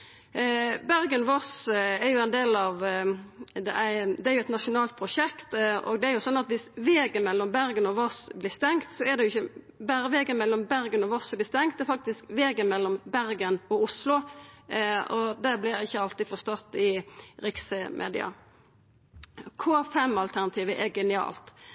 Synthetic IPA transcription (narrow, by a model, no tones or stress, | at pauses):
bæɾɡənɔʋɔsæɾjʊænd̪eːlɑʋ | d̪ɛ̰ʔæd̪ɛæɾjʊɛt̪nɑʂʊnɑːlt̪̚pʰɾʊʂɛkt̪ɔ̰ɡd̪ɛæɾjʊsɔnːɑt̪ʋɪsʋeːɡənmɛlːɔmbæɾɡənɔʋɔsblɪst̪ɛŋkt̪sɔɛd̪ɛjʊɪçːə | bæːɾəʋeːɡənmɛlːɔmbæɾɡənɔʋɔsblɪst̪ɛŋkt̪ɛɾfɑk̚t̪ɪskʋeːɡənmɛlːɔmbæɾɡənɔʊslʊ | ɔd̪ɛblɪɾjæɪɪçːəɑlt̪ɪfɔst̪ɔt̪ɪɾɪksəmʔḛːd̪ɪ̰ɑ̰ | kʰofɛmːɑlt̪ʰæɾnɑt̪ʰiːʋəʔɛɡɛnɪɑ̰ːlt̪